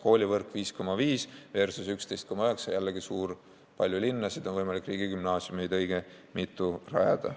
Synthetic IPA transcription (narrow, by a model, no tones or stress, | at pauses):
ko̞ːlʲivɤrkˑviːsko̞mːɑviːsve̞rsusykst̪ejst̪ko̞mːɑøe̞ksɑjælːeɡisuːr | pɑlʲjulinːɑsid̪onvɤjmɑlʲikːˑriːɡikymnɑːsjumejd̪ɤ̞jɡe | mit̪ˑːurɑ̰jɑ̰d̪̥ɑ̰